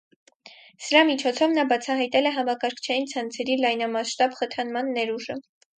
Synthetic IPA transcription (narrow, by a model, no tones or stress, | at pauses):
səɾɑmit͡ʃʰɔt͡sʰɔvnɑbɑt͡sʰɑɦɑjt̪ɛlɛɦɑmɑkɑɾkʰt͡ʃʰɑjint͡sʰɑnt͡sʰɛɾilɑjnɑmɑʃt̪ɑbχət̪ʰɑnmɑnːɛɾuʒə